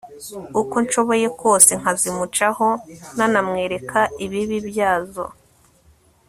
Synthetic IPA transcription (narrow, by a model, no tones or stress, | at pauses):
uko̞nʃo̞βo̞je̞ko̞ːse̞ŋ̥azimut͡ʃaho̞nanamŋe̞ːɾe̞kʰaiβiβibjaːzo̞̰